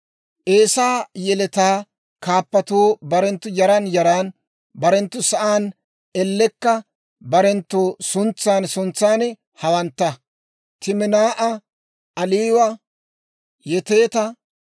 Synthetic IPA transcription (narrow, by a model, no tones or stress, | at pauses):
ʔeːsaːjɛlɛt̪aː | kaːpːɐt̪oːbɐɾɛnt̪ːʊjɐɾɐnjɐɾaːn | bɐɾɛnt̪ːʊsɐʔaːn | ɛlːɛkːɐ | bɐɾɛnt̪ːoːsʊnt͡sːaːnsʊnt͡sːaːnɛ | hɐwɐnt̪ːɐ | t̪ɪmɪnaːʔɐ | ʔɐliːwɐ | jɛt̪e̞ːt̪ɐ